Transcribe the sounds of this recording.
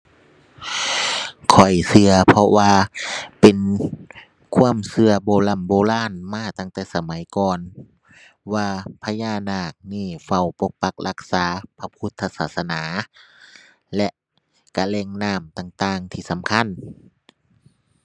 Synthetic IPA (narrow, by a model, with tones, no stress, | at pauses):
kʰɔ˨˩jsɯ˧ɐpʰɔ˧waː˧pe˨n | kʰu˧˥˨əmsɯ˧ɐbɔː˧˦la˧˩˨mboː˧˦laː˧˥˨nmaː˧˥˨t̪a˧˨ŋt̪ɛː˧˩sa˧ma˨˦jkɔː˧˨n | waː˧pʰa˧jaː˧˩˨naː˧˩k̚niː˧˩fa˧˩wpo˧k̚pa˧˦k̚lʔa˧k̚saː˨˦pʰa˧pʰu˧˦t̪ʰːa˧t̪̚saː˧˩sa˧naː˨˦ | lɛ˧ʔ | ka˧lɛː˧˩ŋnaː˧˩˨mt̪aː˧˩ŋt̪aː˧ŋt̪ʰiː˧˩sa˨˦mkʰa˧˥˨n